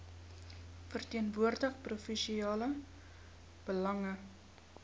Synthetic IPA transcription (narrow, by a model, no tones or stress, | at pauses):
fərtiənvuərdəχprufiʃiɑːlə | b̥əlɐŋə